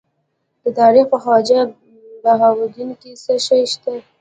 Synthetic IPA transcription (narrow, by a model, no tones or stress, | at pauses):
d̪̥ət̪ɑɾixpəxɑd͡ʒa | baɦawad̪unkisəʃajʃt̪a